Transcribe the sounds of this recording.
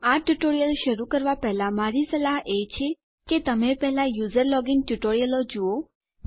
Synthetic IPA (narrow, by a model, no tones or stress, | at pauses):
aʈuʈoɾijəlʃəɾukəɾʋapɛɦlamaɾisəlaɦet͡ʃʰe | ket̪əmepɛɦlajuzəɾlɔɡinʈuʈoɾijəlod͡ʒuo